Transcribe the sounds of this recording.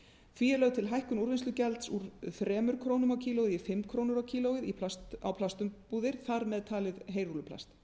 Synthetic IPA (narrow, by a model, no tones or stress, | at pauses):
θviːɛɾlœɥðt̪ʰɪlɦajhkʏnuɾvinslʏcɛlt̪suɾθɾɛːmʏɾ̥kʰɾoːwnʏmawcʰiːlowɣɪðifɪmːkʰɾoːwnʏɾawcʰiːlowɪðipʰlast̪awpʰlast̪ʏmpuːðɪɾ̥θaɾmɛðt̪ʰaːlɪðɦejɾulʏpʰla̰st̪